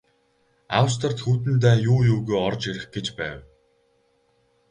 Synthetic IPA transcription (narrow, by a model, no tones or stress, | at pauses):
a̰ws̬t̪ʰə̆r̥t̪xuːt̪̬ɘ̆nt̪̬æːjuːjuːɣojɔrt͡ɕeɾɘ̆xɡ̥et͡ɕpæːw